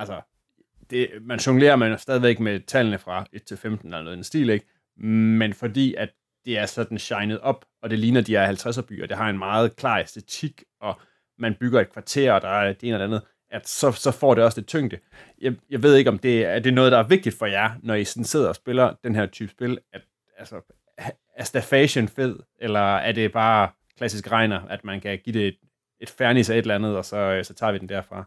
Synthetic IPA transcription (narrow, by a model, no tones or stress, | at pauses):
ælsɐ | d̥e̝mænɕoŋle̝̰ːɐmænsd̥ɛð̞ˠiʋeɡ̥met͡sʰælnəfʁɑ̈e̝d̥̚t͡sʰe̝lfemd̥n̩ælnoðˠensd̥ḭːleɡ̥ | menfɒ̽d̥ḭːæd̥ːe̝æɐsɒ̽d̥n̩ɕɑ̈ɪnəð̞̩ˠɒ̽b̥ʔɒ̽d̥e̝liːnɐd̥iæhælt͡sʰʁas̬ɐb̥y̰ːʔɒd̥e̝ɦɑ̈e̝nmɑ̈ːð̞̩ˠkʰlɑ̰̈ːesd̥e̝t͡sʰiɡ̥ | ɒ̽ | mænb̥yɡ̥ɐe̝d̥̚kʰʋɑ̈t͡sʰe̝̰ɐ̰ɒ̽d̥ɑ̈æɡ̥e̝ːnæleænð̩ˠ | ʔæd̥sɒ̽sɒ̽fɒ̰ːɾ̥e̝ɒ̽sd̥e̝t͡sʰøŋ̰d̥ə | jjɑ̈ɪʋe̝ð̞̰ˠe̝ɡ̥ɒ̽md̥e̝æɐd̥e̝nɔ̽ːð̩ˠd̥ɑ̈æɐʋeɡ̥̚d̥id̥fɒ̽jænɒisɒn̩se̝ð̰ˠɐɒ̽sb̥e̝lɐd̥enɦæɐ̰t͡sʰyːb̥sb̥e̝læd̥ | ælsɐ | æɐsd̥æɐfɛɕənfe̝ð̰ˠ | elɐæɐde̝b̥ɑ̈ː | kʰlæsisɡ̥ʁɑ̈ɪ̰nɐʔæd̥mænkʰæɡ̥iːd̥e̝d̥ | e̝d̥fæɐnisɑe̝ɾelænð̞̩ˠɒ̽sɒ̽sɒ̽t͡sʰɑ̰̈ːʋid̥end̥æɐfʁɑ̈